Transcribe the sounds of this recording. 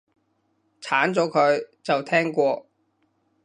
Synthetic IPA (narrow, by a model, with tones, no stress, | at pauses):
t͡sʰaː˨˥nt͡sɔː˨˥kʰɵ˨˧ɥt͡sɐ˨wt̪ʰɛː˥ŋkʷɔː˧